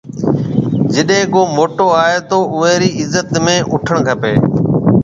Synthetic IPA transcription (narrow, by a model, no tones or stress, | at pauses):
d͡ʒɪɗɦẽːkoːmoːʈoːaːɦeːt̪oːʔʊʋeːɾiːɪzːət̪mẽːʔʊʈʰəɽ̃kʰəpeː